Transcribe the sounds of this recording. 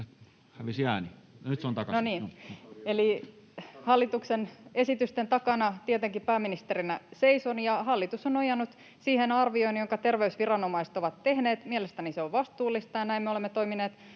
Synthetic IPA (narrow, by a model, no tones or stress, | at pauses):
hæʋisæːninyt̪seont̪ɑkɑnoniːeli | hɑlːit̪uksenesit̪yst̪ent̪ɑkɑnɑt̪iet̪eŋkipæːmːinist̪erinæseisonjɑhɑlːit̪usonojɑnːut̪ | siːhenɑrʋioinjoŋkɑt̪erʋeysʋirɑnomɑiset̪oʋɑt̪tehneːt̪mielest̪æniseoʋʋɑst̪uːlːˑist̪ɑjɑnæimmeolemːet̪oimineːt̪